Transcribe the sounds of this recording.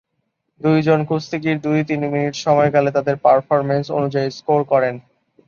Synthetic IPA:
d̪ujd͡ʑonkust̪ikiɾd̪ujt̪inminiʈʃɔmɔeɡalet̪ad̪eɾpaɾfɔɾmenso̰nud͡ʑaiskoɾkɔɾen

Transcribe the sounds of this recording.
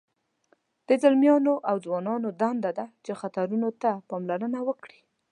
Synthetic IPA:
d̪̥əzalmjɑnoʔawd͡zwɑnɑnod̪and̪ad̪at͡ʃexat̪aɾunot̪apɑmlaɾənawəkɽi̥

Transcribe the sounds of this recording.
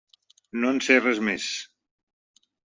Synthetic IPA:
nonserezmes

